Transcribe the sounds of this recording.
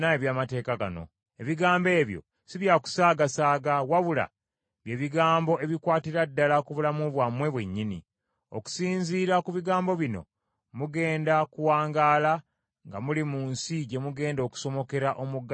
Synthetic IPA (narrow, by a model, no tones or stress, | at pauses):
naeβjaːmate̞ːkaɡa̰no̰ | eβiɡaːmbe̞ːβjo̞̰ | siβjaku̥saːɡasaːɡawaβula̰ | βje̞ːβiɡaːmbo̞ʔe̞βikwaːtiɾadːalakuβulamuβwamwe̞βwe̞ɲːini | o̰ku̥siːɲziːɾakuβiɡaːmbo̞βino̞̰ | muɡe̞ːndakuwaːŋɡaːla | ŋɡamulimuːnsiɟe̞muɡe̞ːndo̞ːku̥so̞mo̞ke̞ɾaʔomuɡ